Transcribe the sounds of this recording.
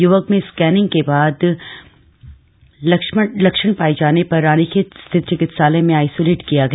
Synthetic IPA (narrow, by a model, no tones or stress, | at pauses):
jʊʋəkmẽskɛːnɪ̃ŋɡ̚kebaːd̪ | lɐkʃəɳ̃paːid͡ʒaːnepɐɾːaːnikest̪ʰɪt̪̚t͡ʃɪkɪt̪saːlemẽaːɪsoːleːʈkijaɡɐɦ